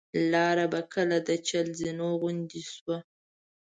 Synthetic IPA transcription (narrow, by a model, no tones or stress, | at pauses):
lɑɾabakəlad̪ət͡ʃalzinoɣʊnd̪iswa